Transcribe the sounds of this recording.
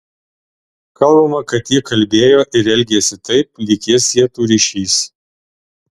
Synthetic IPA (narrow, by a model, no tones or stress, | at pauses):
kɐlˠbɐmɐkɐt̪jikɐlʲbʲeːjoːʔɪɾɛlʲɡʲeːsʲɪt̪ɐɪp̚lʲɪkʲɪsjiɛt̪uːɾʲiʃʲiːs